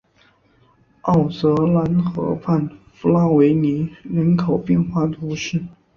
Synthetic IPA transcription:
ɑ˥˩ʊt͡sɤ˧˥la˧˥nxɤ̰˧˥fʰa˥˩nfu˧˥la˥we˧˥ɪni˧˥ɻə˧˥nkʰo˨˩ʊpjɛ˥˧nxwa˥˩t̪ʰu˧˥ʂɻ̩˥˩

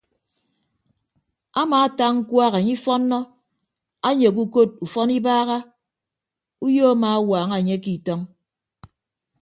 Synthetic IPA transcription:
a˦maː˨a˦ta˦ŋŋ̩˦kwʷaː˦ɣa˨ɲi˦fɔ˦nːɔ˦ | a˦ɲe˨k̬u˦ko˦t̚u˨fɔ˦ni˦baː˦ɣa˦ | u˦jo˦a˦maː˨a˦waː˨ŋa˨ɲe˦ki˨tɔ˦ŋ

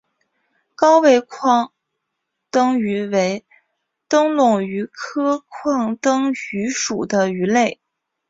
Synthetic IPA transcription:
kɑ˥ʊwe˥˧ɪkʰwɑ˥˩ŋ | t̪ɤ˥ŋy˧˥we˧˥ɪ | t̪ɤ˥ŋlʊ˥˩ŋy˧˥kʰɤ˥kʰwɑ˥˩ŋt̪ɤ˥ŋy˧˥ʂu˨˩d̪ə˦y˧˥le˥˩ɪ

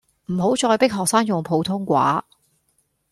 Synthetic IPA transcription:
m̩˨˩ɦo˨˥wt͡sɔː˧jpɪ˥k̚ɦɔː˨k̚saː˥ŋjʊ˨ŋpʰo˨˧wt̪ʰʊ˥ŋkʷa̰ː˨˥

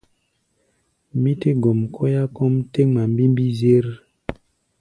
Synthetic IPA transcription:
mi˦te˦ɡo˨mkʰɔ˦ja˦kɔ˦mte˦ŋma˨mbi˦mbi˦ze˦ɾ

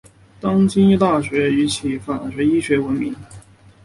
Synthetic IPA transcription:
t̪ɑ˥ŋt͡ɕi˥ny˥˧t̪a˥˩ɕɥɛ˧˥y˧˥t͡ɕʰi˧˥fa˨˩ɕɥɛ˧˥i˥ɕɥɛ˧˥wə˧˥nmi˧˥ŋ

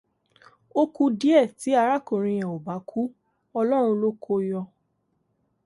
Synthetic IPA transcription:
o˧ku˧di˦ɛ˦˨ti˨˦a˧ɾa˦ko˨ɾ̃ĩ˧j̃ã˨o˨ba˨˦kʰu˦ | ɔ˧lɔ˦ɾ̃ũ˧lo˦kʰo˧jɔ˧

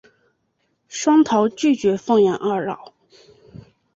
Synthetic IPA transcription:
ʂwɑ˥ŋt̪ʰɑ˧˥ʊt͡ɕy˥˩t͡ɕɥɛ˧˥fɤ˥˩ŋjɛ˧˥nʔa˞˥˧ɻɑ˥˩ʊ

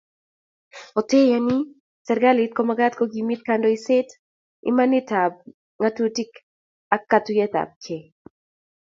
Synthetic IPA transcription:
o˨te˦jani˦ | sɛ˨ɾɡa˦lɪt̚ko˦maɡa˦t̪ko˦ɡimi˦t̪̚kandɔi˦se˦t | ḭ˦ma˦nɪ˦ta˨b̚ | ŋa˦tu˦ti˦k | a˦kːatu˦jɛ˦t̪a̰˨b̚kʰe˨

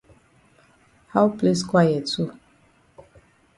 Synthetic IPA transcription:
ha˦wple˦skwa˦jɛ˨tʰu˦

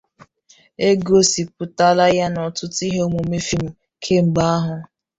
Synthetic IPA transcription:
e˦ɡo˦si˨pʊ˨ta˦la˦ja˦nɔ˨tʊ˦ti˦ɦe˦o˦mo˨me˦fi˦m̩˨ | kʰe˦ŋ͡m̩˨ɡ͡ba˦a˦ɦʊ˨

